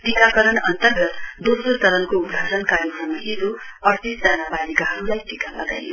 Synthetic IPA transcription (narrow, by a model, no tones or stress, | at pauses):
ʈikakʌɾʌɳʌnt̪ʌrɡʌt̪d̪osɾotʌɾʌnkoub̪ʱɡʱasʌnkaɾiʌmaɦid̪uʌrt̪isd͡zanabalikaɦʌɾulajʈikalʌ̰ɡa̰jno